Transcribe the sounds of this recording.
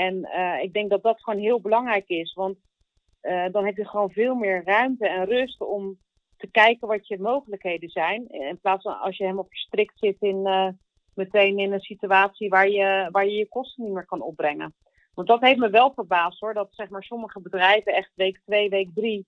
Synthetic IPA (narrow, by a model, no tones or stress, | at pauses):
ɛnəɪɡ̚dɛŋk̚dɑt̚dɑtχʋownɦɪːlˠbəlɑŋrɛjkɪsʋɑnt | ədɑnɦɛpjəχəʋownvɪːlˠmɪːɹrœɥmtəɛnrʏstɔm | təkɛjkənʋɑtjəmowχələkɦejdənzɛjnɪnplaːtsfnɑ̰lˠsjəɦɛmɔfəɹstrɪktsɪtɪn | mətejnɪnənsityaːtsiʋaːɹjəʋaːɹjəjəkɔstənitmɪːɹkɑnɔ̰b̚brɛŋə̰n | ʋɑntdɑtɦeftməʋɛlˠvəɹbaːstɦʊːɹdɑtsɛχmaːɹsɔməχəbədrɛjvəɛχtʋejktʋejʋejk̚dri